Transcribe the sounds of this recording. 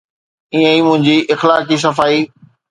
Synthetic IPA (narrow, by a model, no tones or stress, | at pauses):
iə̃imʊ̃ɦɪ̃ɲd͡ʑiʔɪxlaːkis̬ɐfaːiː